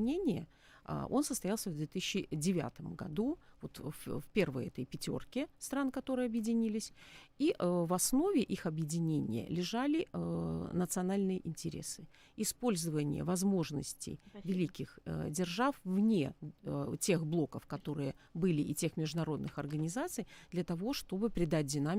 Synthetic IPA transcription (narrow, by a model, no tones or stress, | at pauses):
nʲenʲɪjə̰ | ʔo̞̰nsəst̪ɐjalˠsʲəvd̪vʲet̪ɨɕʲɕːɪdʲɪvʲa̰t̪əmɡɐ̰d̪uvo̞t̪ffpʲe̞rvəjɛt̪əjpʲɪtʲo̞̰rkʲɪst̪ɾankɐt̪o̞ɾɨjɐbjɪdʲɪnʲilʲɪsʲiʔvɐsno̞vʲɪʔixɐbjɪdʲɪnʲenʲɪ̰jə̰lʲɪʐalʲɪ | nət̪sɨɐnalʲnɨjəʔɪnʲtʲɪɾʲe̞̰sɨ | ɪspo̞lʲzəvənʲɪ̰jə̰vɐzmo̞ʐnə̰sʲtʲɪ̰jvʲɪlʲikʲɪxdʲɪrʐafvnʲe | tʲe̞xblˠo̞kəfkɐt̪o̞ɾɨjəbɨlʲɪʔɪtʲe̞xmʲɪʐd̪ʊnɐɾo̞d̪nɨxɐrɡənʲɪzat̪sɨjd̪lʲɐt̪ɐvo̞ʂt̪o̞bɨpɾʲɪd̪at̚ʲdʲɪnamʲ